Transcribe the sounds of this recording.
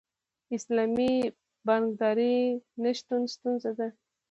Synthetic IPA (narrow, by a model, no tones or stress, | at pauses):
ɪslɑmi | baŋɡd̪ɑɾinaʃt̪unst̪unzad̪a